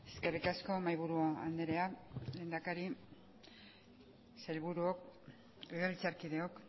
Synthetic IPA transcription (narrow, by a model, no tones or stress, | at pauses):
e̞ske̞rikasko̞majβuɾuoa̰nd̪eɾe̞ale̞ːnd̪akaɾi | selβuɾuok | eɣerit͡saɾkiðe̞ok